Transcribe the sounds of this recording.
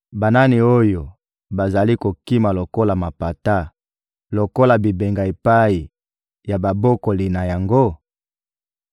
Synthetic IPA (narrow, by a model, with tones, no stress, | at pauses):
ba˨na˦ni˨o˦jo˨ | ba˨za˨li˦ko˨ki˦ma˨lo˨ko˦la˨ma˨pa˨ta˦ | lo˨ko˦la˨bi˨be˨ŋɡa˨e˨pa˦ji˨ | ja˨ba˨bo˦ko˨li˨na˨ja˨ŋɡo˦